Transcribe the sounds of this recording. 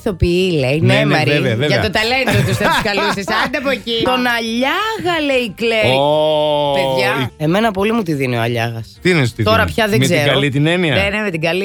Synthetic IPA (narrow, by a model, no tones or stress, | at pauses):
θopiilejnemɐɾeveɐvevʝɐet̪ot̪ɐlend̪ot̪usθɐpiskɐlusisɐd̪ɐpocit̪o̞nɐʎɐɣɐleikleo | peðʝɐe̞me̞nɐpo̞limut̪iðinioɐ̰ʎɐ̰ɣɐst̪iiest̪io̞ɾɐpçɐðemezieɾɡɐolit̪ineniɐnenemet̪iɡɐli